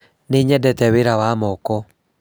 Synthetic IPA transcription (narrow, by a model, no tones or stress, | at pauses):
neɲɛdɛtɛweɾawamɔkɔ